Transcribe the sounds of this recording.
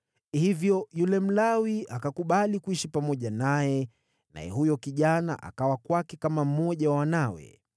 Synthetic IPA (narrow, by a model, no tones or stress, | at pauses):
hivjɔjulɛm̩lawiakakuɓalikuiʃipamɔʄanajɛ | na̰jɛ̰ɦujɔkiʄana̰ʔa̰kawakwakɛkamam̩mɔʄawawanawɛ̰